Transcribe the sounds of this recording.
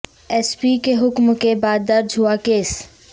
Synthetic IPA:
ɛːspikeɦʊkmkebaːd̪ːɐɾd͡ʒʱɦuakeːs

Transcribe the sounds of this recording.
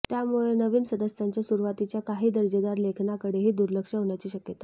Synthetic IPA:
t̪jamuɭenəʋiːnsəd̪əsjaɲt͡ɕjasuɾuʋat̪it͡ɕjakaɦiːd̪əɾd͡ʑəd̪aɾlekʰnakəɽeɦiːd̪uɾləkʂəɦoɳjat͡ɕiːɕəkjət̪ḁ

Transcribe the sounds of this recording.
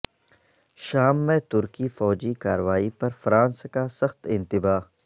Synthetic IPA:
ʃaːmːẽt̪ʊɾkifɔːd͡ʒika̰ːɾəʋaːipɐɾfɾãːnskasɐxt̪ɪ̃nt̪ɪbaː

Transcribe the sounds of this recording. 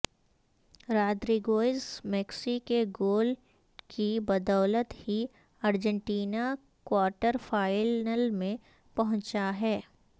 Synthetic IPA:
ɾaːd̪ɾiɡoːɪzmɛːksikeɡoːl | kibɐd̪ɔːlət̪hi | əɾd͡ʒə̃ɳʈiːna | kwaːɾʈəɾfʰaːɪnəlmẽ | pɐɦʊ̃t͡ʃaɦɛː

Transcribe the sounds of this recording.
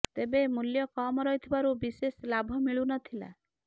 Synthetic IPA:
t̪ebemuljɔkɔmɔɾɔjt̪ʰibaɾubiseslabʱɔmiɭunɔt̪ʰila̰

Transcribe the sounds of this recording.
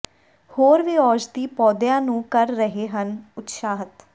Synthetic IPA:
hoːɾʋiːɔːd͡ʒd̪iːpɔːd̪ɪjãːnũːkəɾːəɦeːɦənʊt̪ʃaːɦət̪

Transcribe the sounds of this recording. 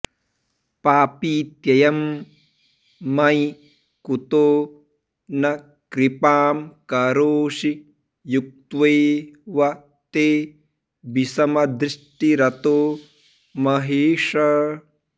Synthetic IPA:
paːpiːt̪jɐjɐm | ɐj | kut̪oː | nɐ | kɾipaːmkɐɾoːʃi | juk̚t̪ʋɐːʋɐ | t̪eː | bisɐmɐd̪ɾiʂʈiɾɐt̪oː | mɐɦeːʂɐ

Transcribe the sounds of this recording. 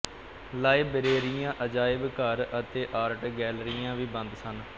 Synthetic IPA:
laːibəɾeːɾijãːʔəd͡ʒaːɪbkəɾət̪eːʔaːɾʈɡɛːlɾijãːʋiːbə̃nd̪sən

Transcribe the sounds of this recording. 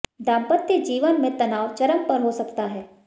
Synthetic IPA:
ɖãːmpət̪jəd͡ʒiːʋənmẽt̪ɐnaːʋt͡ʃɐɾəmpəɾɦosɐkt̪aɦɛː

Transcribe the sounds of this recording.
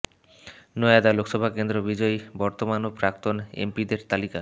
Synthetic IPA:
noad̪alokʃɔbʱakend̪ɾobid͡ʑɔjbɔɾt̪omanopɾak̚t̪onḛmpid̪eɾt̪alika

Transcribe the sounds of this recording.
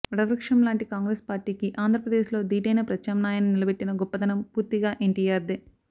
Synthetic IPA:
ɐɽɐʋɾɐkʂɐmlaːɳʈikaːŋɡɾespaːɾʈiːkiʔaːnd̪ʱɾɐpɾɐd̪eːʃlo̞ːd̪iːʈɐjnɐpɾɐt͡ʃːɐːmnaːjɐnunilɐbeʈːinɐɡɔpːɐd̪ɐnɐmpuːɾt̪iɡaːʔeɳʈiːjaːɾd̪eː

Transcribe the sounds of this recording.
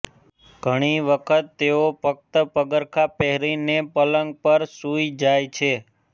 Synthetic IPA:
ɡ̥ʱəɽ̃iʋəkʰət̪ːeopək̚t̪əpəɡəɾkʰapɛɦɾinepələŋɡ̚pəɾsuid͡ʒajt͡ʃʰe

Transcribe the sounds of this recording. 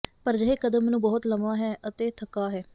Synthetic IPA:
pəɾd͡ʒəɦeːkəd̪əmnũːbɔːt̪ləmaːɦɛːʔət̪eːt̪ʰəkːaːɦɛː

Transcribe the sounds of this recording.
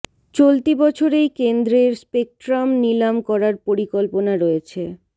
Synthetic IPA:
t͡ɕolt̪ibɔt͡ɕʰoɾejkend̪ɾeɾspek̚ʈɾamnilamkɔɾaɾpoɾikolponaɾoet͡ɕʰe

